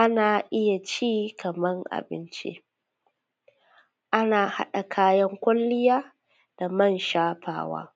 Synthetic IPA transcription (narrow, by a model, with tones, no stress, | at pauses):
ʔa˦naː˨ʔɪ˦ja˨t͡ʃiː˦kɐ˨mɐ˦ŋʔa̰˨bɪ̰˦nt͡ʃḭ˦ | ʔa˦naː˨ha̰˦ɗa˨kʰaː˦jɐ˦ŋkʷʊ˦lːɪ˦jaː˦ | d̥a˨mɐ˦˨nʃaː˦ɸa̰ː˦wa̰ː˦